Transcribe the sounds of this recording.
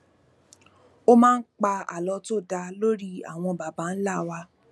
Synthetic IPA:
o˦mãː˦˧˦n̩˦k͡pa˧a̰˨lɔ˧˦to˦˨da˧lo˦ɾi˦a̰˨w̃ɔ̃˧ba˨ba˨˦n̩˦la˦˨wa˧

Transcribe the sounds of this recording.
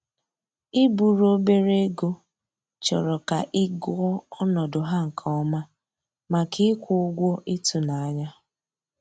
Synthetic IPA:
ɪ˦bu˨ɾo˦be˦ɾe˦ɡo˦ | t͡ʃɔ̰˨ɾɔ˨ka˨ʔɪ˦ɡɔ˦ɔ˦nɔ˨dʊ˨ɦa˦ŋ̩˨kʰɔ˦ma˦ | ma˨kʰɪ˦kʷʊ˨ʊ˦ɡʷɔ˦ʔi˦tu˨na˨a˦ɲa˦

